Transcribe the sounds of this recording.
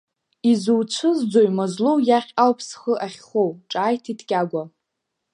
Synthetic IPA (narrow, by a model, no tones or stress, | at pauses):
izuwt͡ʃʷʰɨzd͡zojmazlowjaχʲawpʰsχəʔaχʲχowʈ͡ʂʼaːjtʰitʰɡʲʼaɡʷa